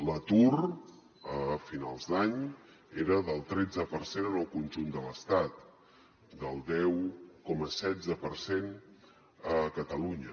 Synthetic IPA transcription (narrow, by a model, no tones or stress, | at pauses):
lət̪ur | əfinalˠzd̪aɲ | eɾəðəlˠt̪ɾɛd͡zəpərsenənəlˠkunʲʒund̪ələst̪at̪̚ | d̪əlˠd̪ɛwkɔməsɛd͡zəpəɾsen | əkət̪əluɲə